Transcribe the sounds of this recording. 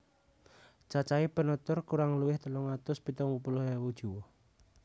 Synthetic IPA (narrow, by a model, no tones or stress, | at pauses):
t͡ʃat͡ʃaipə̤nɔt̪ɔrkuɾaŋluwɪht̪əlɔŋat̪ʊspit̪ɔŋwupulʊɛwud̥ʒ̥ṳwɔ